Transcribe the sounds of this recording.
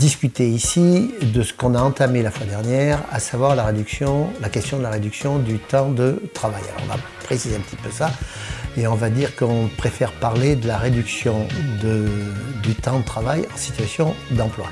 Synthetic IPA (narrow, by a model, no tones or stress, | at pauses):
d̪iskʲyt̪eisid̪əsə̥kɔ̃naɑ̃t̪amelafwad̪ɛʁnjɛʁa̰savwaʁlaʁed̪yksjɔ̃lakɛst̪jɔ̃d̪əlaʁed̪yksjɔ̃d̪yt̪ɑ̃d̪ət̪χavaja̰lɔ̰ʁɔ̰̃va̰pχesizeɛ̃pət̪ipøsaeɔ̃vad̪iʁkəɔ̃pχefɛʁpaʁled̪əlaʁed̪yksjɔ̃d̪əd̪yt̪ɑ̃d̪ət̪χavajɑ̃si̥t̪ɥasjɔ̃d̪ɑ̃plwa̰